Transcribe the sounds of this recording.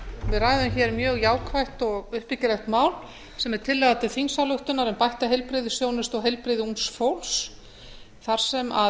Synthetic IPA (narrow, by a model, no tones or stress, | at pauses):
vɪrajðʏmçɛɾmjœːɣjaːwkʰvajht̪ɔɣʏhpɪcɪɾaxt̪maːwl | sɛmɛɾ̥t̪ʰɪlːɛðat̪ɪθinsalʏht̪ʏnaɾɛmpajht̪aɦejlpɾɪðʏsjownɪst̪ɔɣɦejlpɾɪðɪunsfowls | θaɾ̥sɛma̰